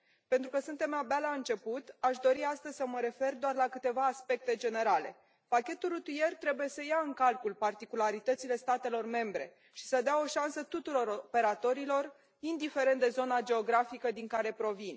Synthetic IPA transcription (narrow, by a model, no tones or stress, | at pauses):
pent̪ɾukəsɨnt̪e̞mabalaɨnt͡ʃe̞put̪aʃd̪o̞ɾiast̪əzʲsəməɾe̞fe̞rd̪oarlakɨt̪e̞vaːspe̞k̚t̪e̞d͡ʒe̞ne̞ɾale̞̰ | pakʲe̞t̪urut̪ie̞rt̪ɾe̞buje̞səjaɨŋkalkulpart̪ikulaɾit̪ət̪sile̞st̪at̪e̞lo̞rme̞mbɾe̞̰ | ʃi̥səd̪eao̞ʃansət̪ut̪uɾo̞ɾope̞ɾat̪o̞ɾilo̞r | ind̪ife̞ɾe̞nt̪d̪e̞zo̞nad͡ʒe̞o̞ɡɾafikəd̪iŋkaɾe̞pɾo̞vin